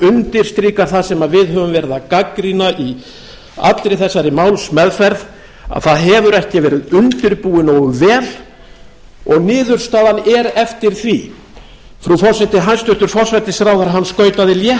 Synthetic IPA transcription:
ʏnt̪ɪɾ̥st̪ɾiːkaɾ̥θaðsɛmavɪðɦœvʏmvɛːɾɪðakakɾinaʔi | a̰t̪lɾɪθɛsːaɾɪmaːwlsmɛðfɛɾð | a̰ðθaðɦɛvʏɾɛhcɪvɛːɾɪðʏnt̪ɪɾpuːɪnowʏvɛːl | ɔɣnɪːðʏɾ̥st̪aːðanɛɾɛft̪ɪɾ̥θvi | fɾufɔrsɛt̪ɪɦanst̪ʏht̪ʏɾ̥fɔrsɛt̪ɪsɾaːwðaɾɦanːskœːɥt̪aðɪljɛ

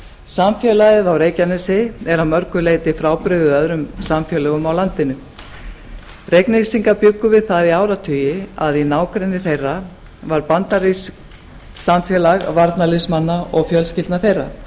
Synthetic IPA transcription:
samfjɛːlajɪðawɾeːjcanɛsɪɛɾawmœɾkʏleːjt̪ɪfɾaːwpɾɪðʏœðɾʏmsamfjɛːlɛɣʏmawlant̪ɪnʏ | rejknesiŋkapjʏkːʏvɪðθaðiaːwɾat̪ʰʏːjɪaðinaːwkɾɛnːɪθejrːa | vaɾpant̪aɾis | samfjɛːlaɣvaɾt̪nalɪsmanːaʔɔɣfjœlscɪlt̪naθejrːa

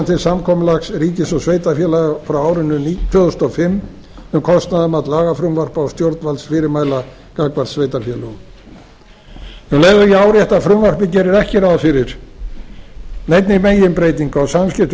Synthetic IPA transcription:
nt̪ʰɪlsamkʰɔmʏlaksɾiːcɪsɔsveːjt̪afjɛlaɣafɾawaːwɾɪnːʏnit̪ʰœðʏst̪ɔfɪmː | ʏmkʰɔst̪naðamat̪laːɣafɾʏmvar̥pawst̪jowɾt̪nvalsfɪːɾɪɾmaːjla | kakvaɾ̥t̪svejt̪afjɛlʏɣ | nuleːɣðʏjɛaːwɾjɛht̪afɾʏmvar̥pɪcɛːɾɪɾɛhcɛɾawðfɪɾɪɾ̥ | nejt̪nɪmeːjɪmpɾejt̪iŋkawsamscɪft̪

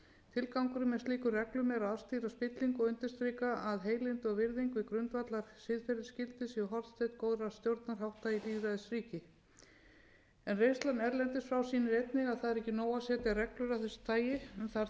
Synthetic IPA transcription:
t̪ʰɪlkawŋkʏɾʏmɛst̪liːkʏrrɛklʏmɛːɾaðast̪iːɾaspɪt̪liŋkɔʏnt̪ɪst̪ɾiːkaaðɦeːjlɪnt̪ɔɣvɪɾðiŋkvɪkɾʏnt̪vat̪laɾ̥sɪðfɛɾɪscɪlt̪ɪsiɔɦɔɾt̪st̪ʰɛht̪koːwðɾḁst̪jowɾt̪naɾ̥ɦhawht̪ajiliːvɾaðɪsriːcɪ | ɛnrejst̪lanɛɾlɛnt̪ɪsfɾawsiːnɪɾejt̪nɪɣaðθaðɛɾɛhcːɪnoːwasɛːt̪ɪarɛklʏɾaθɛsɪ̥t̪ʰaːjɪmθa

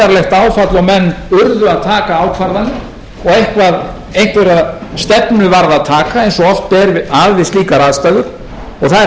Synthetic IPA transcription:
aɾlɛxt̪aːwfat̪lɔmɛnːʏɾðʏaðt̪ʰaːkaaːwkʰvaɾðanːɪ | ɔɣejhkvað | ejŋ̥t̪veɾaðst̪ɛpnʏvaɾðaðt̪ʰaːkaejnsɔɔl̥t̪̚pɛːɾvɪaðvɪsliːkaɾaðst̪aːðʏɾ̥ | ɔɣθa

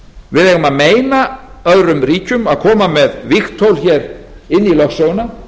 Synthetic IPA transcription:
vɪðɛːɣʏmaðmeːjna | œðɾʏmriːcʏmaðkʰɔːmamɛðvɪxt̪ʰowlçɛɾ | ɪnːilœxsowʏna

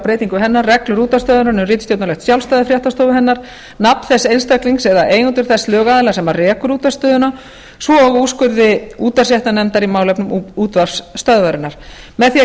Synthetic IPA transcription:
pɾeːjt̪iŋkʏɦɛnːarːɛklʏɾuːt̪ast̪œːðʏnaɾnɛmrɪːt̪st̪jowt̪nalɛxt̪sjawlst̪œːðɪfɾjaht̪ast̪owʏɦɛnːaɾ | napn̥θɛsːejnst̪akliŋksɛðaʔeːjnuːt̪ʏɾ̥θɛslœːɣaðɪlasɛmːaɾrɛːkʏɾuːt̪ast̪œːðʏna | svɔɣuskʏɾðɪuːt̪asjɛht̪anɛnt̪aɾimaːwlɛpnʏmuːt̪vaɾ̥sst̪œðvaɾɪnaɾ̥ | mɛðθi

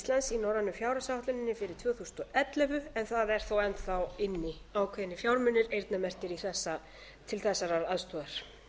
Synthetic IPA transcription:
ist̪lansinɔɾanːʏfjaːwɾasawht̪ʏnɪnːɪfɪɾɪɾ̥t̪ʰvœːθusnt̪ɔʔɛt̪lɛvʏɛnθaðɛɾ̥θowɛnθawɪnːɪ | aːwkʰvɛðɪnɪfjaːwɾmʏnːɪɾejɾt̪namɛr̥t̪ɪɾiθɛsːa | t̪ʰɪlθɛsːaɾaɾaðst̪ʰɔːðaɾ̥

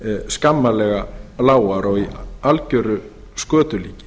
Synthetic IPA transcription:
skamːalɛɣalaːwaɾɔɣialcœɾʏ | skœːt̪ʏliːcɪ̥

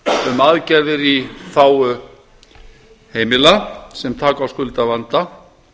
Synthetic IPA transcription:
ʏmaðcɛɾðɪɾiθaːwʏ | heːjmɪlasɛmt̪ʰaːkawskʏlt̪avant̪a

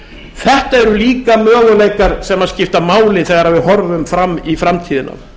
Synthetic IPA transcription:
θɛht̪aɛɾʏliːkamœːɣʏleːjkaɾ̥sɛmaðscɪft̪amaːwlɪnθɛɣaɾhavɪðɦɔɾvʏmfɾamːifɾamt̪ʰiːðɪna̰m

